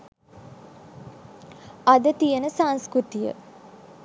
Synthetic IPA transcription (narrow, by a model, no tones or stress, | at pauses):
ad̪ət̪ijənəsaŋskɾut̪ijə̰